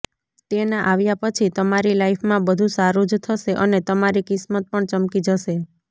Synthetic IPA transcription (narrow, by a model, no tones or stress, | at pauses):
t̪enaʔaʋjapət͡ʃʰit̪əmaɾilaipʰmãbəd̪ʱusaɾud͡ʒt̪ʰəʃeʔənet̪əmaɾikɪsmət̪̚pəɳt͡ʃəmkid͡ʒəʃe